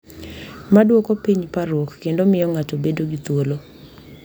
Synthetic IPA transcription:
madwokopiɲpaɾwokːendomɪjɔŋatobedoɡit̪wolo

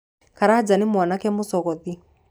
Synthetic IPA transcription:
kaɾad͡ʒanimwanakɛmosɔɣɔði

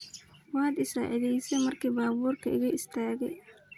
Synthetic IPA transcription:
wɑːd̪ɪsa̰ːʕɪðɛjsɛmɐrkʰiːbaːβuːrkʰɐɪ̰ɣɐɪst̪ʰaːɣɛj

